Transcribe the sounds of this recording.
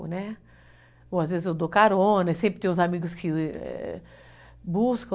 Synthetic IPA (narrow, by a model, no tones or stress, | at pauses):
nɛ | oazvezɪzed̪okaɾõnɛsẽmpɾɪt̪ẽj̃ʊ̃zamiɡʊskʰɪɛ̰ | buskɐ̃